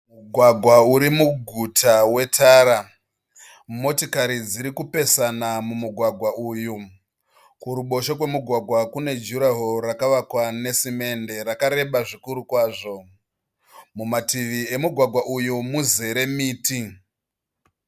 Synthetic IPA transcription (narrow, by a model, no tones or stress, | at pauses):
muɡʱwaɡʱwauɾimuɡʱutʰawe̞tʰaːɾa | mo̞tikaɾid͡ziɾikupe̞sanamumuɡʱwaɡʱwaʔuːju | kuɾuɓo̞ʃokwe̞muɡʱwaɡʱwakune̞d͡ʒuɾaɦorakaʋakwane̞sime̞nde̞ɾakaɾe̞ɓaʐikuɾukwaːʐo̞ | mumatiʋie̞muɡʱwaɡʱwaʔujumuze̞ɾe̞miːti